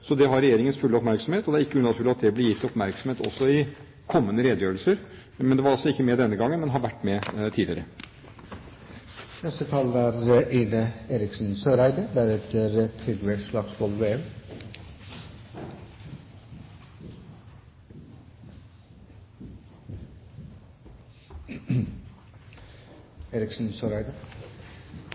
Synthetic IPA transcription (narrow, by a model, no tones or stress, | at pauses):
sɔd̪ɛɦɑɾɛjeːɾɪŋənsfʉlːəɔpmæɾksɔmeːt̪ɔd̪ɛæɾɪkːəʉnɑt̪ʰʉlɑt̪̚d̪ɛblɛjɪt̪ːɪɔpmæɾksɔmheːt̪ɔ̰sːɔɪ | kʰɔmːənəɾeːd̪əjøːɾəlsəɾ | mɛnd̪ɛʋɑɾɑlsɔɪkːəmɛd̪ɛnːəɡɑŋːənmɛnɦɑɾʋæʈːmɛt̪ʰiːlɪəɾə | nɛst̪ət̪ʰɑːləɾʔiːnəeːɾɪksn̩søːɾæɪd̪əd̪æɾɛt̪əɾt̪ʰɾɪɡ̪eʂlɑɡsbɔlʋeːɛm | eːɾɪksn̩søːɾæɪd̪ə